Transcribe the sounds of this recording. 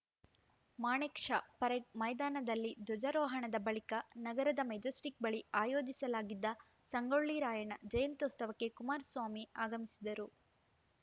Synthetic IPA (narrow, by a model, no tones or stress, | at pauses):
maːɳeːkʂɐpɐɾeʈ̚mɐjd̪aːnɐd̪ɐlːid̪ɔd͡ʒɐɾɔːɦɐɳɐd̪ɐbɐɭikɐnɐɡɐɾɐd̪ɐmɐd͡ʒɐsʈik̚bɐɭiaːjoːd͡ʒisɐlaːɡid̪ːɐ | sɐŋɡoɭːiɾaːjɐɳɐd͡ʒɐjɐnt̪ɔst̪ɐʋɐkːe̞kumaːɾsʋaːmiaːɡɐmisid̪ɐɾu